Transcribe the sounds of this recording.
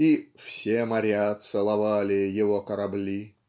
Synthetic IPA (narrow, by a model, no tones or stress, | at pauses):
ifsʲemɐɾʲat̪sɨlˠɐvalʲɪjɪvokəɾɐblʲi